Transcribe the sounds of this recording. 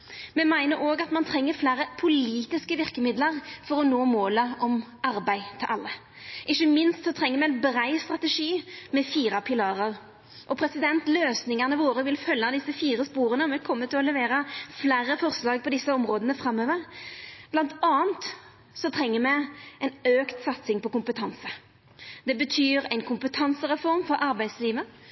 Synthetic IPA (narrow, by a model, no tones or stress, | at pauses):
mɛmæɪnəɾoːɡɑt̪mɑnt̪ʰʁɛŋːəɾflæːɾəpʰʊliːt̪ɪskəʋɪʁkəmɪd̪ləʁfɔɾɔnoːmoːləʔɔmɑɾbæɪt̪ʰɪlʔɑlːə | ʔɪçːəmɪnst̪sɔt̪ʰʁɛŋːəɾmɛɛnbɾæɪst̪ʁɑt̪əʂiːmɛfiːɾɑpʰɪlɑːʁəʁ | ʔɔpʰɾɛsɪd̪ɛnt̪løːsnɪŋɑʁnəʋoːɾəʋɪlfœlːɑd̪ɪsːəfiːɾəspuːɾənəɔmɛkʰɔmːət̪ʰːɪlɔlɛʋeːɾɑflæːɾːəfɔʁslɑːɡ̚pʰɔd̪ɪsːəɔmʁoːd̪ənəfʁɑmːøːʋəʁb̥lɑnt̪ɑːənt̪ | sɔt̪ʰʁɛŋːəmɛɛɪnøːkt̪sɑt̪sɪŋpɔkʊmpət̪ʰɑnsə | d̪ɛbət̪ʰyːɾæɪnkʰʊmpət̪ʰɑnsəʁɛfɔɾmfɔɾɑɾbæɪd̪sliːʋə